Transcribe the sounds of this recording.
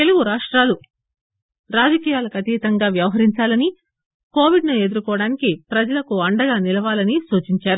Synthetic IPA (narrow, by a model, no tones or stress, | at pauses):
t̪eluɡuɾaːʂʈɾaːlu | ɾaːd͡ʒɐkiːjaːlɐkɐt̪iːt̪ɐŋɡaːʋjɐʋɐɦɐɾiɲt͡ʃaːlɐni | ko̞ːʋiɖnue̞d̪uɾukɔːɐɽaːnikipɾɐd͡ʒɐlɐkuɐɳɖɐɡaːnilɐʋaːlɐnisuːt͡ʃiɲt͡ʃaːɾu